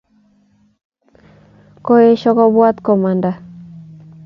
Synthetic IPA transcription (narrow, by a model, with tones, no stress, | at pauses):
ko˦e˦ʃɔ˦kɔ˦bwa˦t̪kɔ˨ma˨nda˨